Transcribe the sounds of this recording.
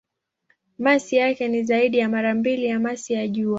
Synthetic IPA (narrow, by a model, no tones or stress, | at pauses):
masijakɛnizaiɗijamaɾambilijamasijaʄua